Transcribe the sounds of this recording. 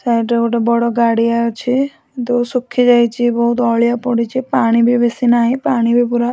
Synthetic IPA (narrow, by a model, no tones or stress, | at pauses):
saiʈekoʈebɔɽɔɡaɽiajot͡ʃʰi | t̪ɔsukʰːid͡ʒajt͡ʃʰibɔɦut̪ɔːɭijapɔɽit͡ʃʰipaːɽ̃ibʱibesinaɦipaːɽ̃ibʱipuɾa